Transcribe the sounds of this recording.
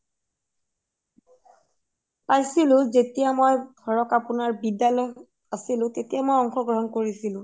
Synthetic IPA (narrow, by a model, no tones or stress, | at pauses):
pajsilʊ̃zetijamojɡ̥ʱɔɹɔkapʊnaɹbidalɔj | asilʊ̃tetijamojɔŋxɔɡɹɔɦɔnkoɹisilʊ̃